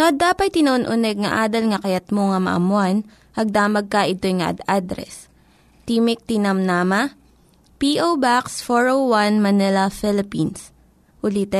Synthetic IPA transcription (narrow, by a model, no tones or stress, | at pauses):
soɐd̪aːpɐj̚t̪ɪnɐʔonʔʊnɛɡ̚ŋɐʔaːd̪ɐlŋɐkɐjɐt̪̚moŋɐmɐ̰ʔɐ̰mʊan | ʔɐɡ̚d̪aːmɐɡ̚kɐʔɪt̪ojŋɐʔɐ̰d̪ad̪ɾɛ̰s | t̪iːmɪk̚t̪inɐmnamɐ | piʔowbaksfoɹowwanmɐnɛlɐfɪlɪpins | ʔʊlit̪ɛ